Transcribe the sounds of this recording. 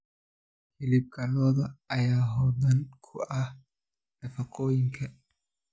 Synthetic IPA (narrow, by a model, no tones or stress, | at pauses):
fɪlɪb̚ɡʰɐlɔːðɐɐjaːɦɔːd̪ɐnkʰʊʔɐh | ɖɐfɐqɔːjɪŋkʰɐ